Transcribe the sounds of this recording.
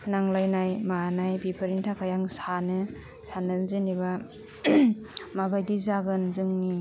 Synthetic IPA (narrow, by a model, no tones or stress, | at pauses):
naŋlajnajmanajbipʰɯɾintʰakʰajaŋsanɯ | sanɯnzɯniβa | mabajdizaɡɯnzɯŋni